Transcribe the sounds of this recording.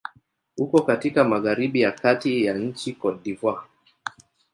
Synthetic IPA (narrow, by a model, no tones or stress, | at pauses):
hukɔkatikamaɣaɾiɓijakatijaɲ̩t͡ʃikɔɗivwa